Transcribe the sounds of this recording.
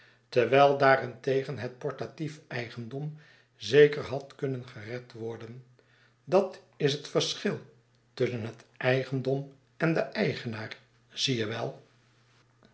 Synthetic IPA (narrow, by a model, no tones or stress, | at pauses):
təɹʋɛjlˠdaːrɛntejχənɦət̚pɔɹtatifɛjχəndɔm | zejkəɹɦɑtkɵnənχərɛtʋɔɹdən | dɑt | ɪsɦətfəɹsχɪlˠ | tʏsənɦətʔɛjχəndɔm | ɛndəʔɛjχənaːɹ | z̥ijəʋɛlˠ